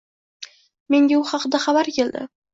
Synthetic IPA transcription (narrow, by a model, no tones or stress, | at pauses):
me̞ŋɡʲaʊχɑqɨd̪aχabaɾkʲeld̪ɪ̰